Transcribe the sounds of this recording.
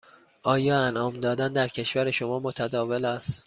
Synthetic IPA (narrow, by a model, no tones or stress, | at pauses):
ʔɒːjɒːænʔɒːmd̪ɒːd̪ænd̪æɾcʰe̞ʃvæɾeʃo̞mɒːmot̪ʰæd̪ɒːve̞læːst̪